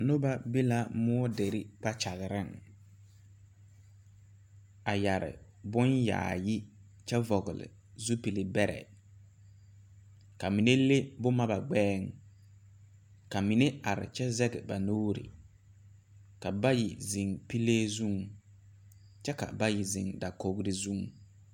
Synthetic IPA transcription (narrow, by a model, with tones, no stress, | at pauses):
no˦ba˦bi˦la˦mʊ˦ɔ˦de˨ɾi˦k͡pa˦t͡ʃa˨ɣɪ˨ɾɪ˦˨ŋ | a˨ja˨ɾɪ̰˨ | bʊ˦nja̰ː˨jɪ˦ | t͡ʃɛ˦vɔ˨ɣɪ˨lɪ̰˨ | zu˦pi˨lɪ˨bɛ˦ɾɛ̰˨ | ka˨mi˨ne˦le˦bʊ˦ma˦ba˨ɡ͡bɛː˦ŋ | ka˨mi˨ne˦a˨ɾɪ̰˨t͡ʃɛ˦zɛ˦ɡɛ˨ba̰˨noː˦ɾɪ̰˨ | ka˨ba˦ji˨zɪ˨ŋpi˦leː˦zu˦ŋ | t͡ʃɛ˦ka̰˨ba˦ji˨zɪ̰˨ŋda˨ko˨ɡɾɪ˦zu˦ŋ